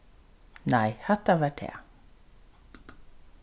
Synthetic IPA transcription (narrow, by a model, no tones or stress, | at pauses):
najhɛt̪ːavaɾd̪ʰɛ̰ː